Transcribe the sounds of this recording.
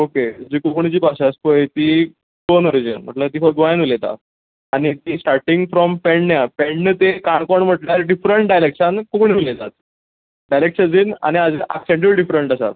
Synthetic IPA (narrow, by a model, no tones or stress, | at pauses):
oked͡ʑiːkukɳit͡ɕiːpaɕaspoet̪i | konɔɾid͡ʑənm̤ə̰ʈlət̪iːfɔɾɡʋajnulet̪a̰t̪ | añit̪iːsʈaɾʈĩŋɡfɾɔmpɛɳnjapeɳnət̪ekaɳkoɳm̤əʈljaɾɖifɾəɳʈ̚ɖajlekɕənkukɳiʋilet̪at̪̚ | ɖajlekʂəd͡zina̰ñiad͡ziʔaksẽɳʈ̬ibɖifɾəɳʈəsa̰t̪̚